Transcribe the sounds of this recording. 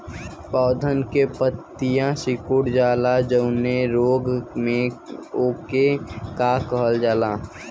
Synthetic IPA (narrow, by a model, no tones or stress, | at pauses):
pɔːd̪ʱənkepət̪ːɪjãsɪkuɽd͡ʒaːlad͡ʒəʊneɾoːɡmẽoːkekakəɦəld͡ʒaːlaː